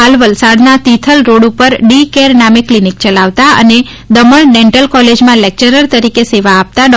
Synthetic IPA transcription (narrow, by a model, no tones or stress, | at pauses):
ɦalʋəlsaɽnat̪it̪ʰəlɾoɽupəɾɖikeɾnamiklinik̚t͡ʃəlaʋt̪aə̰ne | d̪əməɭɖẽɳʈəlkɔled͡ʒmãlek̚t͡ʃəɾəɾt̪əɾikeseʋaːp̚t̪aɖ